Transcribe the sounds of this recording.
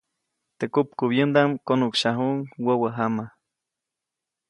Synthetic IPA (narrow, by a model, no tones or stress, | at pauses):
t̪ekup̚kuβjənd̪amkonukʃaɦuŋwəwəɦama